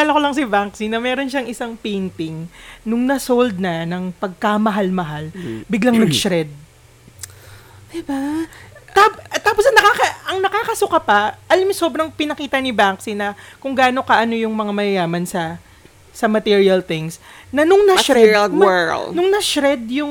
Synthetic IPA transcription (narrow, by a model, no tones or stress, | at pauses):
laːlɐkolɐŋs̬ɪbaŋksɪnːɐmɛːɾo̞nʃɐŋʔɪsaŋpint̪ɪŋnʊŋnɐsold̪̚nɐnɐŋpɐɡ̚kɐmɐɦalmɐɦalbɪɡlaŋnɐɡʃɾɛd̪̚ | d̪ɪba | apt̪ːaːposɐŋnɐkakɐʔɐŋnɐkaːkɐsʊkapɐʔɐlɐmsoːbɾɐŋpɪnɐkiːt̪ɐnɪbaŋksɪnɐkʊŋɡaːno̞kɐʔɐno̞jʊŋmɐŋamɐjɐjaːmɐnsɐ | sɐmɐt̪iɹiɐlt̪ɪŋsnɐnʊŋnɐʃɾɛlɛnʊŋnɐʃɾɛd̪̚jʊŋ